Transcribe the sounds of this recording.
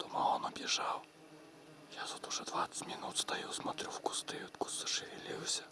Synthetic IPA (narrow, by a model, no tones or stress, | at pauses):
t̪ɔmaɔnɔbʲjɛʐaw | jat̪ut̪uʐɛd̪vat̪sə̥tʲmʲinut̪st̪ajuwsmat̪ɾʲuwku̥st̪ɪjut̪ku̥sɐ̥ʂɪvʲilʲiwsʲɐ̥